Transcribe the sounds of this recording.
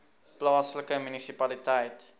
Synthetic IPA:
plɑːsləkəmynisipɐlitəjt

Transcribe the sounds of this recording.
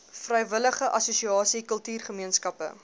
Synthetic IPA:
frɛjvələχəʔɐsusiɑːsikɵəlˠtyːrχəmiənskɐpə̰

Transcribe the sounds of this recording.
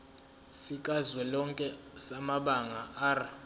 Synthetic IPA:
sikʼazwɛlɔŋkʼɛsamaɓaŋaʔaːra

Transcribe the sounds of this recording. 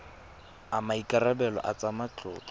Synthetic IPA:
amaikʼarabɛlɔ̰ʔa̰t͡samat͡ɬʼʊ̰ːt͡ɬɔ

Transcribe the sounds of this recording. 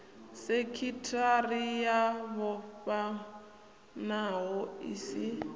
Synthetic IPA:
sekʰitʰarijaβɔɸa | naɦɔisi

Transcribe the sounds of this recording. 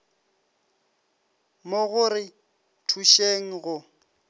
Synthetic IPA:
moɣʊrɪ | tʰuʃeŋ̩ɣʊ

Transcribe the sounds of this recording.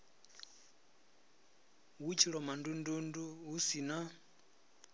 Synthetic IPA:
wut͡ʃʰiɺɔmandundunduɦusina

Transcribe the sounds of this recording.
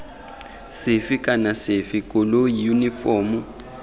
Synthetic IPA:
sɪfikʼanasɪfikʼɔlojunifɔmu

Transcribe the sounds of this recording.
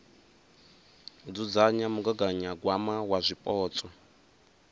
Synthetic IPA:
d͡zud͡zaɲamuɡaɡaɲaɡwamawazʷipʼɔːt͡sʼɔ

